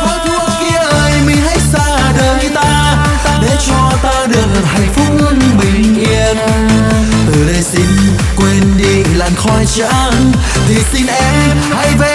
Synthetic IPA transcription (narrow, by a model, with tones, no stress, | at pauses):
kɔ˨˦jt̪ʰu˧˥əki˧əʔəː˧˩jmï˨˩ŋ̟ha˦˥jsaː˧ | ɗəː˨˦nt̪aː˧ | t̪aː˧ɗe˨˩t͡ɕɔ˧t̪aː˧ɗɨ˨˩ək̚ha̰˨˩jŋ̟fʊ˧˦˥k͡p̚ɓï˨˩ŋ̟ʔi˧ən | t̪ɨ˨˩lə˧˩si˧ŋ̟ | kwe˧nɗḭ˧˨laː˨˩mxɔ˧jt͡ɕa̰˧n | t̪ʰi˨˩si˧nʔɛ˧m | ha˧jve˨